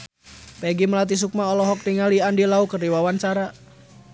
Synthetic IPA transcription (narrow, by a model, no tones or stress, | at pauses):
pɛɡiməlat̪̬is̬uk̚maɔlɔɦɔk̚niŋaliandilaukərdiwawant͡ʃaɾa